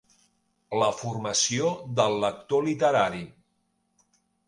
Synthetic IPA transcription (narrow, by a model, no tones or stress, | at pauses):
ləfurməsioðəlˠːək̚t̪olit̪əɾaɾi